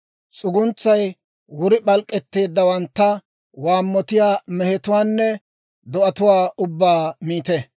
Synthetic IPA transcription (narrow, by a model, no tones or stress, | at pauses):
t͡sʼʊɡʊnt͡sːɐj | wʊɾɪɓɐlkʼːɛt̪ːe̞ːd̪ːɐwɐnt̪ːɐ | waːmːɔt̪ɪjaːmɛhɛt̪ʊwaːnːɛ | d̪ɔʔɐt̪ʊwaːʊbːaːmiːt̪ɛ